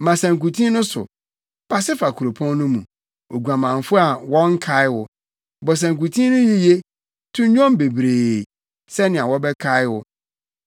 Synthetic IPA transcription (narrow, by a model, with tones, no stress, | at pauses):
mã˨sæ̃˨ŋ˨ku˨tʰĩ˦nʊ̃˦sʊ̰˨ | pʰa˦sɪ˦fa˨kʰu˨ɾo˨pʰɔ̃˦nː˦ʊ̃˦mṵ̃˨ | o˨ɡʷã˨mã˨ɱ˨fʊ˦a˨wɔ̃˦ŋ̩˦kʰa˦ɪ˦wʊ˦ | bɔ˨s̬æ̃˨ŋk̬u˨tʰĩ˦nʊ̃˦ɲĩ˦je˦ | tʰũ˦ɲ˦ɲᶣɔ̃˦m˦be˨bɾe˨ | sɛ˦nɪ̃˨a˨wɔ˦bɛ˦kʰa˦ɪ˦wʊ˦